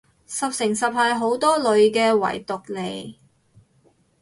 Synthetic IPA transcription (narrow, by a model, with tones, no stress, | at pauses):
sɐ˨p̚sɪ˨˩ŋsɐ˨p̚hɐ˨jɦo˨˥wt̪ɔː˥lɵ˨˧ɥkɛː˧wɐ̰˨˩jt̪ʊ˨k̚le˨˩j